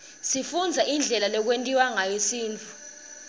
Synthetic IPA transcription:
sifund͡zʱaʔind͡ɮʱɛlalɔk̬wentʼiwaŋajesiːnt͡fʰu

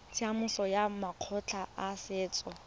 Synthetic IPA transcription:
t͡sʰiamʊsɔjamaq͡χʰɔt͡ɬʰaasɪːt͡sʼɔ

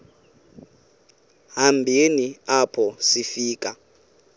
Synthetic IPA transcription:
ɦambʱeniapʰɔsifiːk̬ʼa

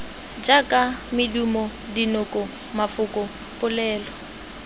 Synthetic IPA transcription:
d͡ʒakʼamɪdumɔdinʊkʼɔ | mafʊkʼʊ | pʼʊlɛːlɔ

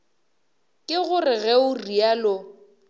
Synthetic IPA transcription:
kʼɪɣʊrɪɣɛʊrialʊ

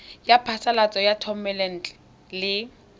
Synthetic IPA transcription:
japʰasalat͡sʼɔjatʰɔmɛlɛn̩ːtʼɛ | lɪ

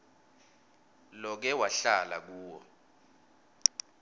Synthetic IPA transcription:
lɔk̬ɛwaɬala̰k̬uːwɔ̰

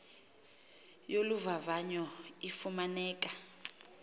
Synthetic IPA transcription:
joluvavaɲɔifumanɛːk̬ʼḁ

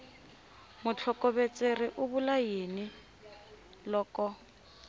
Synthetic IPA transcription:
mʊt͡ɬʰɔkʼɔβet͡sʼerɪʔʊbʊlajenɪ | lɔːkʼɔ

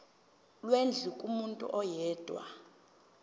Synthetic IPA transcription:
lwend͡ɮʱikʼumuntʼṵʔɔjɛːd̥ʼʱwa̰

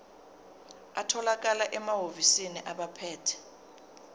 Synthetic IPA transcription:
atʰɔlak̬ʼalaʔɛmaɦovisiniʔaɓapʰɛːtʰɛ̥

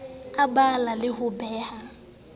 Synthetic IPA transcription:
abalalɪhʊbɛːha

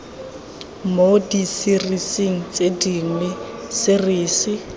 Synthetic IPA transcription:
modisirisiŋ̩t͡sediŋwɛsɪriːsɪ

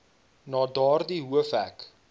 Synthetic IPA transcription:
nɑːdɑːrdiɦuəfɦæk

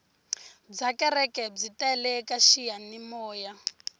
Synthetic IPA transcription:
d͡zakɛɾɛkʼɛb͡ʐitaɛlɛkaʃijanimɔːja

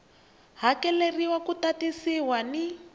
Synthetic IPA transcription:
ɦakɛleriwakutatisiwani

